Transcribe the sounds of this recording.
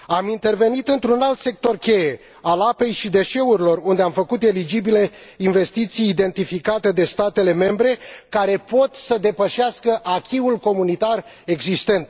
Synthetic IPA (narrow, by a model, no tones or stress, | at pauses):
amint̪e̞rve̞nit̪ɨnt̪ɾunalt̪se̞k̚t̪o̞rkʲe̞je̞ | alape̞jʃid̪e̞ʃe̞uɾilo̞rund̪e̞amfəkut̪e̞lid͡ʒibile̞inve̞st̪it̪sijːd̪e̞nt̪ifikat̪e̞d̪e̞st̪at̪e̞le̞me̞mbɾe̞kaɾe̞po̞t̪səd̪e̞pəʃiaskəʔakʲiulko̞munit̪ar | e̞ɡzist̪e̞nt̪